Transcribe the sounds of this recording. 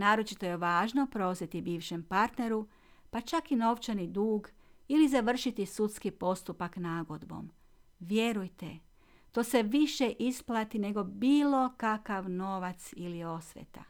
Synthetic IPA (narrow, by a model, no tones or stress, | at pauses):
naːɾo̞t͡ʃit̪o̞je̞ʋaːʒno̞pɾo̞zjet̪ibiːʋʃe̞mpaɾt̪ne̞ɾu | pat͡ʃakino̞ʋt͡ʃanid̪uːɡilizaʋr̩ʃit̪isut̪skipo̞st̪upaknaːɡod̪bo̞̰m | ʋje̞ɾujt̪e | t̪o̞ːse̞ʋiʃe̞ʔisplˠat̪ine̞ɡo̞biːlˠo̞kakaʋno̞ʋat̪silio̞sʋʲjḛt̪a̰